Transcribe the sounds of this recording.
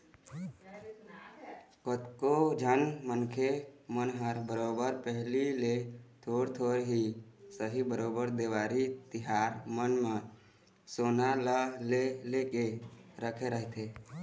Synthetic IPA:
kət̪kod͡ʒʱənmənkʰemənɦəɾbəɾoːbəɾpəɦlilet̪ʰoːɾt̪ʰoːɾɦisəɦibəɾoːbəɾd̪eːʋaːɾit̪ɪɦaːɾmənmẽ | soːnaləlelekeɾəkʰeɾəɦt̪ʰe

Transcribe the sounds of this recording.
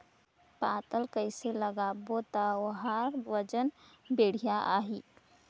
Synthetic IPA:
pat̪əlkəɪseləɡabot̪aoɦaɾʋəd͡ʒənbeɽ̤ijaʔa̰ɦi

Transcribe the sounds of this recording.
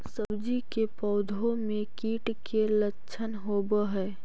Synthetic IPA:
səbd͡ʒikepɔːd̪ʱõmẽkiːʈkelətːʃʰənɦobəɦɛː

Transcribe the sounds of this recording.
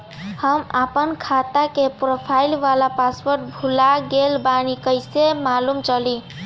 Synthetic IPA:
həmapənkʰat̪akepɾopʰailʋalapaspəɾʈ̚bʱulaɡelbanikəjsemalumt͡ʃəli

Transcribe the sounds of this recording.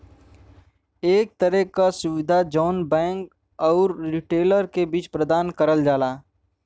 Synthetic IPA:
eːk̚t̪əɾəɦkasʊʋɪd̪ʱad͡ʒɔːnbɛ̃ːŋk | ɔːɾɾɪʈeːləɾkebiːt͡ʃpɾəd̪aːnkəɾəld͡ʒaːlaː

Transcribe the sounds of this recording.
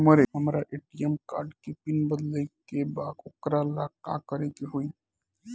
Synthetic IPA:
məɾeɦɐmɾaʔeːʈijəmkaːɾɖkipɪnbəd̪lekebaːd̪ʊkɾalaːka̰ːkəɾekiɦui

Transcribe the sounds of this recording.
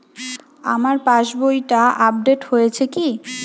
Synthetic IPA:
a̰maɾpãʃbojʈaʔap̚ɖeʈhojet͡ɕʰeki

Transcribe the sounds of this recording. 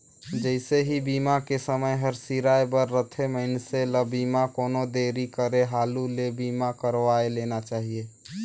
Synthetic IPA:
d͡ʒəɪseɦibimakesəməjɦəɾsiɾajbəɾːət̪ʰeməɪnseləbimakoːnod̪eɾikəɾeɦaːlulebimakəɾʋaelenat͡ʃaːɦie

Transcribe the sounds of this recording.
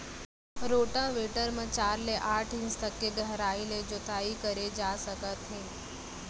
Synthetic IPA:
ɾoːʈãʋeʈəɾmãt͡ʃaːɾleʔaːʈʰɪ̃nst̪əkːeɡʱəɦɾaːiled͡ʒot̪aːikəɾed͡ʒasəkət̪ɦẽː

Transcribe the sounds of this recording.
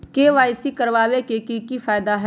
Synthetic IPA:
keʋaːɪsikəɾʋaːʋekekikifʰaːɪd̪aɦɛ

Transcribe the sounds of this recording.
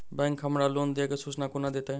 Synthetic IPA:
bɛ̃ːŋkʰːɐmɾaloːnd̪iakesʊsnakʊnad̪eːt̪ã

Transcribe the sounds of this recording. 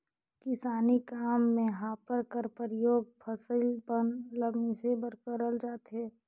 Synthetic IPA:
kɪsaːnikaːmːẽɦãːpəɾkəɾpəɾɪjoːɡ̚pʰəsəlbənləbmisebəɾkəɾəld͡ʒaːt̪ɦɛː

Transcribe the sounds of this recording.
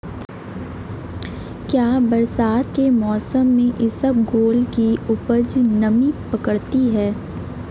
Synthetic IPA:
kjaːbɐɾsaːt̪kemɔːsəmːẽʔɪsəbɡoːlkiʊpəd͡ʒnɐmipɐkəɽt̪iɦɛː

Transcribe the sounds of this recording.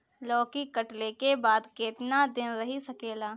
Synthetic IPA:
lɔːkikɐʈlekebaːd̪keːt̪nad̪ɪnɾɐɦisɐkeːlaː

